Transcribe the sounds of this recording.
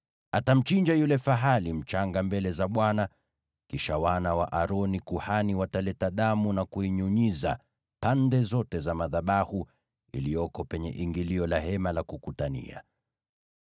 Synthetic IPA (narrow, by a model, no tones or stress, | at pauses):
atam̩t͡ʃiɲd͡ʒajulɛfaɦalim̩t͡ʃaŋɡambɛlɛzaɓwana | kiʃawanawa̰ʔaɾɔnikuhaniwatalɛtaɗamunakuiɲuɲiza̰ | pandɛzɔtɛzamaðaɓahu | ḭlijɔkɔpɛɲɛʔiŋɡiliɔlahɛmalakukutanḭa̰